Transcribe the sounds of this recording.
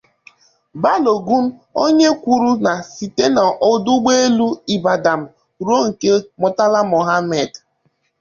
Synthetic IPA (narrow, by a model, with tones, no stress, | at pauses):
ba˦lo˨ɡu˦m̩˦o˦ɲe˦kʷu˨ɾu˦na˨si˨te˦na˨ʔo˨du˦ɡ͡be˦e˦lu˦i˨ba˨da˨m̩˨ | ɾo˦ŋ̩˨ke˦mɔ˨ta˦la˦mo˨ɦa˦me˨d